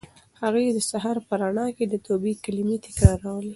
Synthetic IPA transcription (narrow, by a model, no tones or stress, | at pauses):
haɣujed̪əsaɦɑɾpəɾaɳɑked̪ət̪obikalimit̪ɪkɑɾawəl